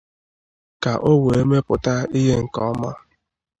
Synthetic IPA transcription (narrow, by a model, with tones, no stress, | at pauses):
ka˨ʔo˦we˨e˦me˦pʊ˨ta˦i˦ɦe˦ŋ̩˨kɔ˦ma˦